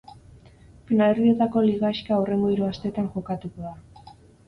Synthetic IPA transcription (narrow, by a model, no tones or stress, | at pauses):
finale̞rðie̞t̪ako̞liɣaiʃkaure̞ŋɡo̞iɾuast̪e̞t̪aŋʝo̞kat̪uko̞ða